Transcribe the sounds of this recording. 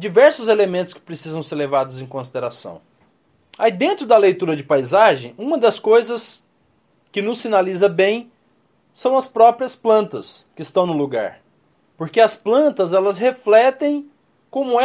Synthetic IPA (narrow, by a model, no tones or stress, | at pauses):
d͡ʒivɛɾsʊzelemẽnt̪ʊ̥skɪ̥pɾesizɐ̃w̃seɾlevad̪ʊzẽj̃kõsid̪eɾasɐ̰̃w̃ | aid̪ẽnt̪ɾʊd̪ɐlejt̪uɾɐd͡ʒɪpajzaʒẽj̃ũmɐd̪ɐskojzɐs | kɪnʊsːinalizɐbẽj̃ | sɐ̃w̃ɐspɾɔpɾiɐsplɐ̃nt̪ɐskɪːst̪ɐ̃w̃nʊluɡa̰ɾ | poɾkeɐsplɐ̃nt̪ɐzɛlɐzɦeflɛt̪ẽj̃ | kõmʊɛ